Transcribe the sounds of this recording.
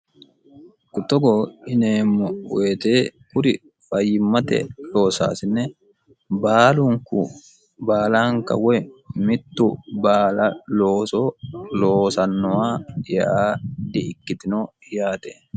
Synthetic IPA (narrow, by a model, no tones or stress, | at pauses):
kʊt̪ːɔɡoːɪneːmːɔwe̞ːt̪eːkʊɾɪ | fɐjːɪmːɐt̪ɛ̰lo̞ːsa̰ːsɪnːɛ | baːluŋkʊ̰ | baːlaːŋkɐ̰wɛmɪt̪ːʊbaːlɐloːsoːloːsɐnːɔaːɪjɛʔaːd̪ɪʔɪkːɪt̪ɪnoː | jaːt̪ɛ